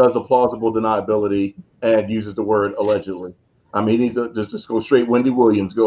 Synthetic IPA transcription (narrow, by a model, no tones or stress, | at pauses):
ʌzəpʰl̥ɑzəbl̩ˠdɨnaɪəbɪlˠəɾi | ɨ̃njʉzɨzðəwɜ˞ɾəlɛd͡ʒɨdˡli | aɪm̃nhinidzəd͡ʒʌsʌsɡ̥oʊstɹ̥eɪt̚wɪ̃ndiwɪlˠjɨ̃mzɡoʊ